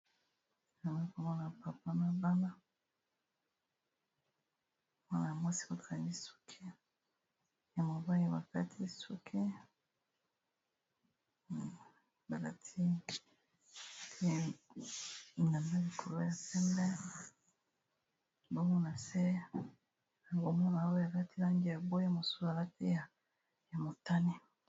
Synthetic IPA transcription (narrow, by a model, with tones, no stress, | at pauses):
a˨na˦ko˨ma˦na˨pa˨pa˦na˨ba˦na˦ | mwa˦na˨ja˨mwa˦si̥˦ko˨ta˨mi˦su̥˦kʰe˦ | ja˨mo˨ba˦i˦ba˨ka˦tʰi˦sṵ˦kʰe˦˨ | ba˨ka˨tʰi˦ | tʰe˦ | i˨na˨nda˦li˨kʰo˨lo˦ja˨pɛ˦mbɛ˦ | bo˦mo˦na˨se˦ | a˨ŋɡo˨m˦ba˨˦o˦ja˨la˦ti˦la˦ŋɡi˦ja˨bo˦ja˦mo˨su˦˨a˨la˦ti˦ja˨ | ja˨mo˨ta˦ni˦